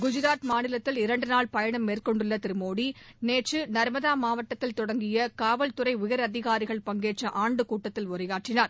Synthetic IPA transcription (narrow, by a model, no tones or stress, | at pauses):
ɡʊd͡ʒɪɾaːt̪maːnɪlɐt̪ːɪlɪɾɐɳɖɯnaːɭpɐjɐɳɐmːeːrkɔɳɖɯɭːɐt̪ɪɾɯmoːɽineːʈt͡ʃɯnɐɾmɐðaːmaːʋɐʈːɐt̪ːɪlt̪ɔɽɐŋɡɪjɐkaːʋɐlt̪ʊɾɐɪʊjɐɾɐðɪɣaːɾɪɣɐɭpɐŋɡeːʈt͡ʃːɐʔaːɳɖɯkuːʈːɐt̪ːɪlʊɾɐjaːʈrɪnaːɾ